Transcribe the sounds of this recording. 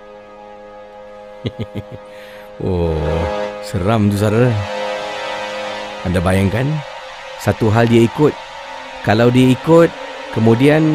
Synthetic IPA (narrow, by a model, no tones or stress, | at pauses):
o | səɾamt̪usaɾə | andabajaŋkan | sat̪uɦaldiaikʊt̪̚ | kalawdiaikʊt̪̚ | kəmudian